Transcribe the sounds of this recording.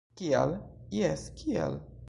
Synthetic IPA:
kia̰ljɛskʰiɛ̰l

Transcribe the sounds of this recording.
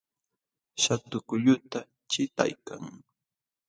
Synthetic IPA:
ʃat̪ʊkʊʎʊt̪a | t͡ʃɪt̪a̰jka̰ŋ

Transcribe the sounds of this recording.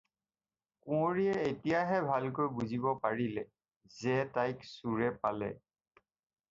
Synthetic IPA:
kũoɹijɛetijaɦɛbʱalk̬ojbuzibɔpaɹilɛ | zɛtajksuɹɛpalɛ̰

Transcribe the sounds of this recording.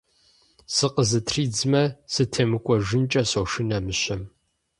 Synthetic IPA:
sɨqəzɨtʰriːd͡zmɐsɨtʰeːmɨkʷʼɔʒɨnt͡ʃʼɐsowʂɨnɐmɨɕɐm

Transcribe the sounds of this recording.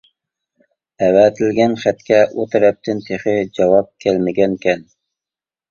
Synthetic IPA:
æwæt̪ʰɪlɡʲɛnχæt̪kʲʰɛʔot̪ɾɛp̚t̪ʰɪnt̪ʰeχɪd͡ʒɑwɑp̚kʲʰælmɪɡʲɛnkʲɛn

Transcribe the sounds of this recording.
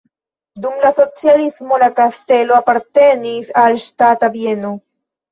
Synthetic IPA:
d̪umlasot͡sjalizmolakast̪eloapaɾt̪enisalst̪at̪abjeno

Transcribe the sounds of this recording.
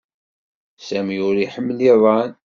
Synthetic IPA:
sæmjʊɾiħəmːliðˤɑn

